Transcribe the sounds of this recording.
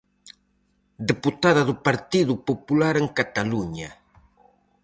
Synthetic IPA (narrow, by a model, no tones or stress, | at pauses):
d̪eput̪aðaðupaɾt̪iðupopulaɾeŋkat̪aluɲɐ